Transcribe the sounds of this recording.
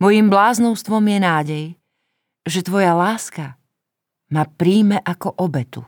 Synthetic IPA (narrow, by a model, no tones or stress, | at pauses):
mɔjimblaːznɔʊst̪ʋɔmjɛnaːɟɛj | ʒɛt̪ʋɔjalaːska | mapɾiːmɛʔakɔʔɔbɛt̪ṵ